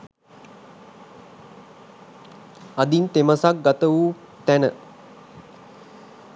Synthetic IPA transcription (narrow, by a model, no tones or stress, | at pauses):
ad̪int̪eməsak̚ɡat̪əʋuː | t̪ænə